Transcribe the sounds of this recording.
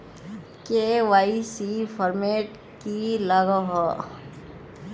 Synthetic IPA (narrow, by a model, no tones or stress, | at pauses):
keʋaːisifʰəɾmeːʈ | kilaɡəɦɔ